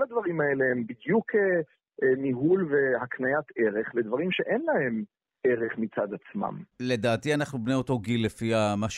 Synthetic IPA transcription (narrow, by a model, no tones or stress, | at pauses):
lad̪vaʁimaeleembid̪jukʰe | miɦulvehaknajat̪ʰe̞ʁe̞χled̪vaʁimʃe̞ʔenlahe̞m | eʁeχmit͡sad̪at͡sma̰mle̞d̪aːt̪ianaχnubneot̪o̞ɡilːefiamaʃ